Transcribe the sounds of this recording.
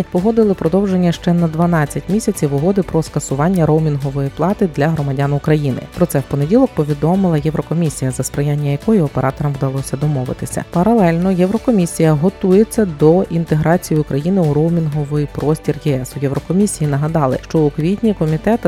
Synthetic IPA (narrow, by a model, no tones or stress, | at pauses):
pɔɦɔd̪ɪlˠɪpɾɔd̪ɔwʒe̞nʲːɐʃt͡ʃɛnɐd̪ʋɐnɑt͡sʲːɐtʲmʲisʲɐt͡sʲiʋʊɦɔd̪ɪpɾɔskɐsʊʋɑnʲːɐɾowmʲinɦɔʋɔjiplˠɑt̪ɪd̪lʲɐɦɾɔmɐdʲanʊkɾɐjinɪ̰pɾɔt̪sɛwpɔne̞dʲilˠɔk̚pɔʋʲid̪ɔmɪlˠɐjɛwɾɔkɔmʲisʲijɐzɐspɾɐjanʲːɐjɐkɔjiɔpeɾʔɑt̪ɔɾɐmwd̪ɐlˠɔsʲɐd̪ɔmɔʋɪ̰t̪ɪsʲɐ̰pɐɾɐlˠɛlʲnɔjɛwɾɔkɔmʲisʲijɐɦɔt̪ujet͡sʲːɐd̪ɔint̪e̞ɦɾɑt͡sʲijʊkɾɐjinɪuɾowmʲinɦɔʋɔjipɾɔsʲtʲirjɛɛsʊjɛwɾɔkɔmʲisʲijinɐɦɐd̪ɑlˠɪ̰ʃt͡ʃɔʊkʋʲit̪ʲnʲikɔmʲit̪ɛt̪